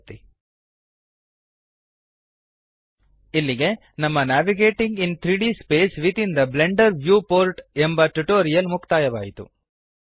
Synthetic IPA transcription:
t̪ːi | ilːiɡe̞ | nɐmːɐnaːʋiɡeːʈiŋɡint̪ʰɾiːɖiːspeːsʋit̪ind̪ɐble̞ɳɖɐɾʋjuːpoːɾʈembɐʈuʈoːɾijɐlmukt̪aːjɐʋaːjit̪u

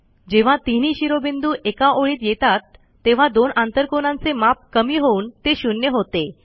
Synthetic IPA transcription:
d͡ʑeʋ̤at̪iniːɕiɾobind̪uːʔekaʔoɭiːt̪jet̪at̪ː | eʋ̤ad̪onãnt̪əɾkonãnt͡semap̚kəmiːɦount̪eɕunjəɦot̪e

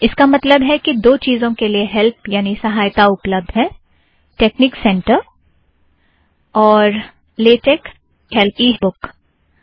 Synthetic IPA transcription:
ɪskamɐt̪ləbɦɛkid̪oːt͡ʃiːzõkelieɦɛlpjaːnisɐɦaːjt̪aʊpləb̚d̪ʱɦɛː | ʈeːknɪksɛ̃ɳʈəɾ | ɔːɾ | leːʈek | ɦɛlpiɦbʊk

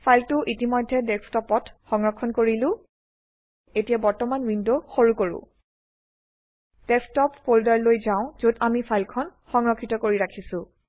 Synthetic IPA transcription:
pʰajltʊʔitimɔjdʱːɛdɛkstɔpɔtxɔŋɹɔkʰːɔnkoɹilʊ̃ | etijabɔɹtɔmanwindoxoɹukoɹʊ̰̃ | d̥ɛkstɔpfoldaɹlojzaʊ̃zodamipʰajlkʰɔnxɔŋɹɔkʰːitɔkoɹiɹakʰisʊ̃

